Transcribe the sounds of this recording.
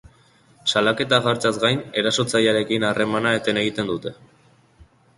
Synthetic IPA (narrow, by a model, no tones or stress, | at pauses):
salake̞t̪aɣaɾt͡sazɡajne̞ɾaso̞t͡sajaɾe̞kinare̞manae̞t̪e̞ne̞ɣ̞it̪e̞nd̪ut̪e̞